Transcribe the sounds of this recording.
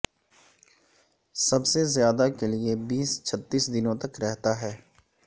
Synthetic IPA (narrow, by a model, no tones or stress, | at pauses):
sɐbsezjaːd̪akeliebiːst͡ʃʰɐt̪ːiːsd̪ɪnõt̪ɐkɾɛɦt̪aɦɛː